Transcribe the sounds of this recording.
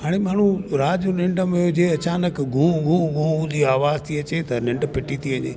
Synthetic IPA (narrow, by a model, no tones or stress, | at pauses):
ɦaːɽ̃emaːɳ̤uɾaːd͡ʑonɪ̃ɳɖəmeʊd͡ʑeɐt͡ɕaːnəkɡʱũːɡʱũɡʱũũd̪iːaːʋaːzt̪ʰiɐt͡ɕet̪ɐnɪ̃ɳɖpɪʈʰit̪ʰiʋɐ̃ɲḛː